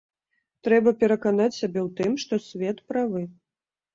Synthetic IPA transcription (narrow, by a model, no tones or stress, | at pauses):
t̪ɾɛbɐpʲɛɾɐkanat͡sʲsʲabʲɛwt̪ɨmʂt̪ɔsʲvʲɛt̪pɾavɨ